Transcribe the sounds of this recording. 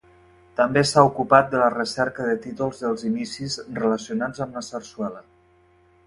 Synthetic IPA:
t̪əmbesaukupat̪̚d̪ələrəsɛɾkəðət̪it̪ulˠzðəlˠzinisizrələsiunad͡zəmnəsərswɛlə

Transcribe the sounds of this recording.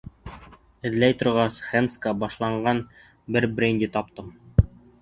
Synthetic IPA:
ɘ̆ðlæjt̪ŏɾʁɑsχenskəbɑʃlˠɑɴɢɑn | bɘɾbɾʲenʲd̪ʲit̪ɑp̚t̪ɤm

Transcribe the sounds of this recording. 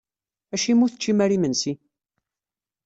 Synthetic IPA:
æʃimːuθə̥t͡ʃːimæɾimənsi

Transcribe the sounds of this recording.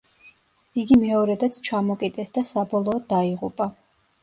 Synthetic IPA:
iɡimɛɔɾɛd̪at̪sʰt͡ʃʰamɔkʼid̪ɛsd̪asabɔlˠɔːd̪ːaiʁupʼa

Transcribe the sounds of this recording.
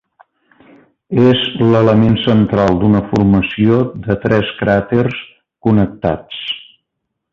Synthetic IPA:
ezlələmensənt̪ɾalˠd̪unəfurməsiod̪ət̪ɾɛskɾat̪ers | kunək̚t̪a̰t͡s

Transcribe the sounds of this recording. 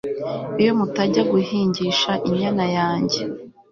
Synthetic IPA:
ijo̞mutaɟaɡuhiːɲɟiʃaʔiɲanajaːɲɟe

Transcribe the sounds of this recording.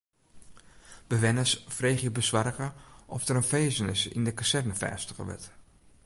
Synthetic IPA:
b̥əʋɛnəsfreːχjəbəsʋarkəʔɔfdəɾənfeːzənɪsḭndəkasɛrnəfɛ̰ːstəɣə̰ʋɪ̰t

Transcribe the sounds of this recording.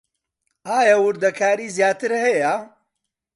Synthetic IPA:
aːjɐwʊɾd̪ɐkʰaːɾiːzjaːt̪ɨɾhɐjɐ

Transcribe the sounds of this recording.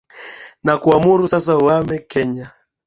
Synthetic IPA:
nakuamuɾusasawamɛkɛɲa

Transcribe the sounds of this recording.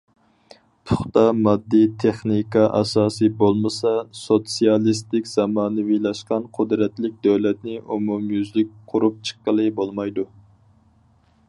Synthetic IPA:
t̪ʰʊχt̪ɑmɑd̪ːit̪ʰeχnikɑʔɑ̰sɑːsɨbolˠmɨsɑsot̪sijɑlˠist̪ɪkʲz̥ɑmɑːnɨvilˠɑʃqɑnqʰʊd̪ɾɛt̪lɪk̚ʲd̪øwlɛt̪nɪʔumumjyzlɪk̚ʲqʰʊɾup̚t͡ʃʰə̥qːəlˠɨbolˠmɑjd̪u

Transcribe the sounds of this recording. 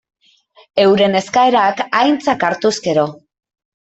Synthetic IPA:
e̞wɾene̞skaeɾakajnt͡sakaɾt̪uske̞ɾo̞

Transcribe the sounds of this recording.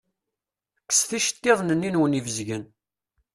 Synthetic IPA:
kːə̥sθiʃə̥t̪ːɪðˤnənːinwənivəzʝən

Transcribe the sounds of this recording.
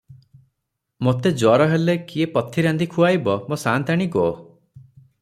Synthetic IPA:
mot̪ed͡ʒɔɾɔɦelekiepɔt̪ʰiɾand̪ikʰuajbɔmosant̪aɽ̃iɡɔ

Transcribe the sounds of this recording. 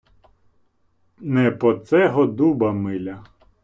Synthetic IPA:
nɛpɔt̪sɛɦɔd̪ubɐmɪlʲɐ

